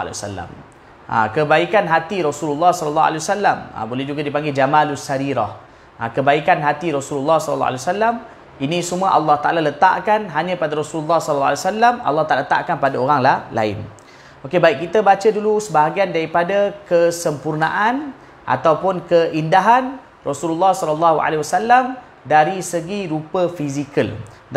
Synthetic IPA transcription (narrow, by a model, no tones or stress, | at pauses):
l̰sa̰lːa̰m | a̰kəbaikanɦat̪iɾɔsululːɔhsɔləlːɔa̰lewasalːamə̰bolɛɦd͡ʒuɡadipaŋɡed͡ʒamalusaɾiɾa̰h | ʔakəbaikanɦat̪iɾɔsululːɑhsɔlə̰lːɔ̰ʔa̰lwasalːam | inĩsumũaʔalːɑht̪a̰ʔalalət̪a̰ʔkanɦaɲãpadaɾosululːɑhsɔll̰ːalesalːama̰lːɑht̪alalət̪a̰ʔkanpadaoɾaŋlahla̰ɪ̰n | okebaik̚kit̪əbat͡ʃədulusəbaɦaɡiandaɾipadakəsəmpurna̰ʔan | ʔa̰t̪awpʊnkəʔindaɦan | rɔsululːɑhsɔləlːɑɦua̰lewasalːam | daɾisəɡiɾupəfizikəl